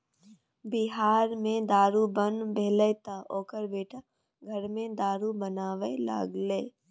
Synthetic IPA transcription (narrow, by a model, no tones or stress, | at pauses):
bɪɦaːɾmẽd̪aːɾubənbeːlət̪aʔoːkəɾbeːʈʰa | ɡʱəɾmẽd̪aːɾubənaːʋela̰ːɡleː